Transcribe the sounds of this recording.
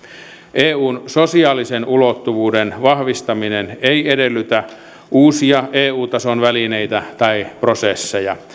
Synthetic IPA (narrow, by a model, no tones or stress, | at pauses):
ʔeːuːnsosiɑːlisenulot̪ːuʋuːdenʋɑhʋist̪ɑmineneiedelːˑyt̪æ | ʔuːsiɑʔeːuːt̪ɑsonʋælineit̪æt̪ɑiprosesːejɑ